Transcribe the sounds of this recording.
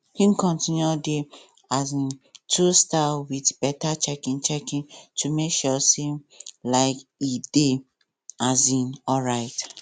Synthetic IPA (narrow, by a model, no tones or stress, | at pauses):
hĩnkɔ̃ntĩnjuɔde | azĩntʰustawidb̥ɛtat͡ʃɛkĩnt͡ʃɛkĩntʰumekʃɔselaɪkide | azĩnɔɹaɪt